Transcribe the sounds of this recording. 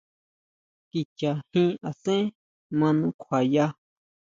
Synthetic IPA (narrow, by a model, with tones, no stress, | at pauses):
ki˨t͡ʃa˨hĩ˦˧a˨sẽ˦ | mã˧nũ˧˦kʷʰa˨ja˧